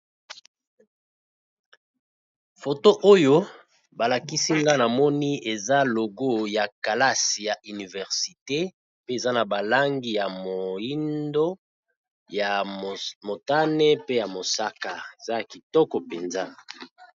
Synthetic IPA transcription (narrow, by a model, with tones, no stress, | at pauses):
fo˨to˦ʔo˦jo˦ | ba˨la˨ki˦si˦ŋɡa˦na˨mɔ˦ni˦e˨za˦lo˨ɡo˦˨ja˨ka˨la˦si˨ja˨ʔy˨ni˨vɛ˨ʁsi˨te˦ | pe˦e˨za˦na˨ba˨la˦ŋɡi˦ja˨mo˨i˦ndo˦ | ja˨mo˨ta˦nɛ˦pe˦ja˨mo˨sa˦ka˨e˨z̥a˦ja˨ki˨tɔ˦kɔ˨pe˨nza˦